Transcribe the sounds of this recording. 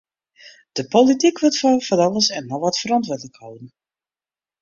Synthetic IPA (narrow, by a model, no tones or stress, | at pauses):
d̥əpolitikʋɪtfɔvɔnɑlˠəsɛnːɔʋɑtfəɾɑntʋʊːɹdələkhɔwən̩